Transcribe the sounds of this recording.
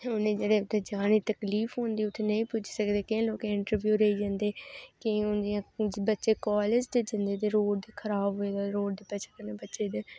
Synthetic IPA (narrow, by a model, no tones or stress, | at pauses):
ʊnẽːd͡ʒəɽeːʊt̪ʰeːd͡ʒaːniːt̪əkliːfɦõːnd̪iːʊt̪ʰːeːnəĩːpʊt͡ʃʰsəkd̪eːkɪẽːloːkẽːɪɳʈəɾbjuːɾəiːd͡ʒãːnd̪eːkɪ̃ʊnd̪ijãbətːʃeːkɔːled͡ʒd̪eːd͡ʒə̃nd̪eːt̪eːɾoːɽd̪eːkʰəɾaːbɦoeːd̪aɾoːɽd̪eːpet͡ʃʰəkəneːbətːʃeːd̪eː